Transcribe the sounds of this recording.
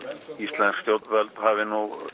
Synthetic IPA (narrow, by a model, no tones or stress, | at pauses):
ist̪lɛnskst̪jowt̪vɛlt̪havɪnuɣ